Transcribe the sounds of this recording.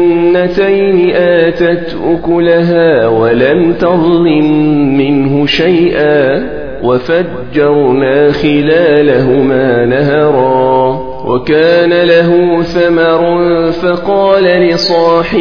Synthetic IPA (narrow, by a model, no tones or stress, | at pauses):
at̪ajnɪʔaːt̪at̪ʔʊkʊlaɦaːwalamt̪ɑðˤlɪmːɪɦʊʃajʔaː | wafad͡ʒːɑɾˤnaːxɪlaːlaɦʊmaːnaɦɑɾˤɑː | wʔa̰kaːnalaɦʊθamɑɾˤnfɑqɑːlalɪsˤɑːħɪ